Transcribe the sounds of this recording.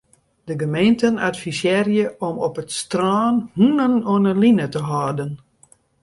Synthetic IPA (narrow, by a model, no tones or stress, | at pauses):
dəɡəmejntənatfisjɛrjəʔɔmɔpətstrɔːnhunənoənəlinətəɦɔːdən